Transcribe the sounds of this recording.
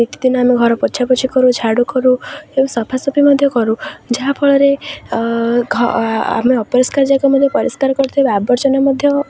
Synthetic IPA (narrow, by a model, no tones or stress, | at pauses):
ekid̪inɔameɡʱɔɾɔpɔt͡ʃʰapɔt͡ʃʰikɔɾũt͡ʃʰaɽukɔɾũebɔsɔpʰasɔpʰimɔd̪ʱjɔkɔɾũd͡ʒaɦapʰɔɭɔɾe | ɡʱa̰meɔpɔɾɔskaɾd͡ʒaɡɔmɔd̪ʱjɔpɔɾɔskaɾɔkɔɾt̪ʰiebabɔɾt͡ʃɔnamɔd̪ʱjɔ